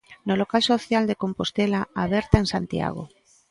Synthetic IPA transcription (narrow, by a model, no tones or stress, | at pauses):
nolokalsoθjald̪ekompost̪elaaβ̞ɛɾt̪aeŋsant̪ia̰ɣ̞o̰